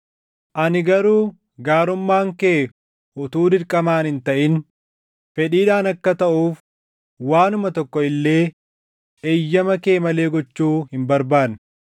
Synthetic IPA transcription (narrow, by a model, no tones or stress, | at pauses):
ʔɐnɪɡɐɾuː | ɡaːɾʊmːaːŋkeː | ʔʊt̪uːd̪ɪɾkʼːɐmaːnhɪnt̪ɐʔɪn | fɛᶑiːᶑaːnɐkːɐt̪ɐʔuːf | waːnʊmɐt̪ɔkːɔɪlːeː | ejːɐmɐkeːmɐle̞ːɡɔt͡ʃːuːhɪmbɐɾbaːn